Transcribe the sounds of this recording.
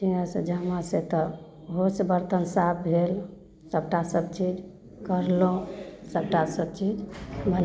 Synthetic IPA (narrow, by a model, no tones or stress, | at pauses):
d͡ʒinasə̃d͡ʒəmaset̪ɔ | ɦosbəɾt̪ənsabbʱel | səb̚ʈasəb̚t͡ʃid͡ʒ | kəɾlõsəb̚ʈasəb̚t͡ʃid͡ʒbʱən